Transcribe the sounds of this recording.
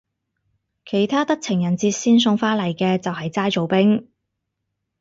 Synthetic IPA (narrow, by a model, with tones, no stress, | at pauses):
kʰe˨˩jt̪ʰaː˥t̪ɐ˥k̚t͡sʰɪ˨˩ŋjɐ˨˩nt͡siː˧t̚siː˥ns̬ʊ˧ŋfaː˥lɐ˨˩jkɛː˧t͡sɐ˨wɦɐ˨jt͡saː˥jt͡so˨wpɪ˥ŋ